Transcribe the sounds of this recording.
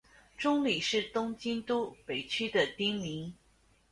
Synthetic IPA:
ʈ͡ʂʊ˥ŋli˨˩ʂɻ̩˥˩t̪ʊ˥ŋt͡ɕi˥nt̪u˥pe˨˩ɪt͡ɕʰy˥d̪ə˨t̪i˥ŋmi˧˥ŋ

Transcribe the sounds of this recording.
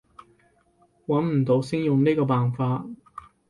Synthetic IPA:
wɐ˨˥nm̩˨˩t̪o˨˥wsɪ˥ŋjʊ˨ŋniː˥kɔː˧paː˨nfaː˧t̚

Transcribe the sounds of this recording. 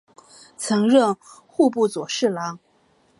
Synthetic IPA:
t͡sʰɤ˧˥ŋɻə˥˧ŋ | xu˥˧p̬u˥˩t͡swɔ˨˩ʂɻ̩˥˩lɑ˧˥ŋ

